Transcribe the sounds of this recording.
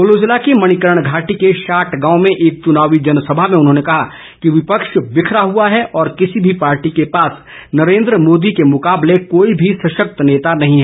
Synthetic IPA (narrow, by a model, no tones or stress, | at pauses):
oloːd͡ʒɪlakimɐɽ̃ɪkəɾəɽ̃ɡʱaːʈikeʃaːʈʰɡãːʊ̃mẽʔeːk̚t͡ʃʊnaːʋid͡ʒɐnsɐbʱaɦmẽʊnɦõːnekɐɦa | kiʋɪpəkʃbɪkʰɾaɦuaɦɛʔɔːɾkɪsibʱipaːɾʈikepaːs | nɐɾẽːnd̪ɾəmoːd̪ikemʊkaːblekoːibʱisɐʃək̚t̪neːt̪anɐɦĩɦɛ